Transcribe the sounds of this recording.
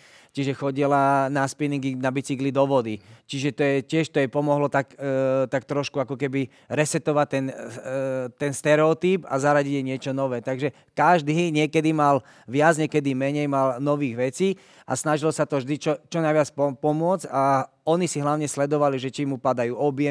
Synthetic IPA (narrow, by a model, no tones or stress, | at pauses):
t͡ʃiʒɛxɔɟilanaspiniŋɡinabit͡siklid̪ɔʋɔd̪it͡ʃiʒɛt̪ɔjɛcɪɛʃt̪ɔjɛpɔmɔɦlɔt̪akt̪ak̚t̪ɾɔʃkuakɔkɛbi | ɾɛsɛt̪ɔʋat̚t̪ːɛn | t̪ɛnst̪ɛɾɛɔt̪iːba̰zaɾaɟiɟjɛɲɪɛt͡ʃɔnɔʋɛːt̪aɡʒɛ | kaʒd̪iɲɪɛkɛd̪imal | ʋɪad͡zɲɛkɛd̪imɛɲɛjmalnɔʋiːɣʋɛt͡siː | ʔa̰snaʒilɔsat̪ɔvʒd̪it͡ʃɔt͡ʃɔnajʋɪat͡spɔpɔmʊɔd͡za | ɔnisiɦlaʊɲɛslɛd̪ɔʋaliʒɛt͡ʃimːupad̪ajuːɔbjɛ